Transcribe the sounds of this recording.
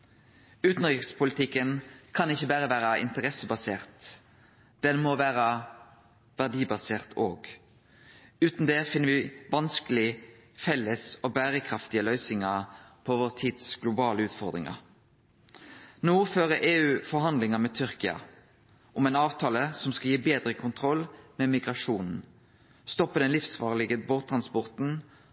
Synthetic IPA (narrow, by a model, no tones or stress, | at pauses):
ʉːt̪n̩ʁɪkspʰʊlɪt̪ʰɪkːənkʰɑnɪçːəbæːʁəʋæːɾɑɪ̰nt̪əʁɛsəbɑseːʁt̪ | d̪̥ɛnmɔʋæːʁɑ | ʋæʁɖiːbɑseːʁt̪ʰoːɡ | ʉːt̪n̩d̪eːfɪnːəʋɪʋɑnskəlɪ | fɛlːəsɔbæːʁəkʰʁɑft̪ɪəlœʏsɪŋɑpʰɔʋoːʁt̪ʰiːd̪sɡ̥lʊbɑːləʉːt̪fɔʁd̪ʁɪ̰ŋɑ̰ | noːføːʁəʔeːʉːfɔɾhɑnd̪lɪŋəmɛt̪ʰʏʁkɪɑ̰ | ʔɔmɛɪnɑːʋt̪ʰɑːləsɔmskɑljiːbeːd̪ʁəkʰʊnt̪ʰʁɔlmɛmɪɡʁɑʂuːnn̩ | st̪ɔpːəd̪ɛnlɪfsʋɑ̰ːʁəlɪɡəboːʁt̪ʰɾɑnspɔʁt̪n̩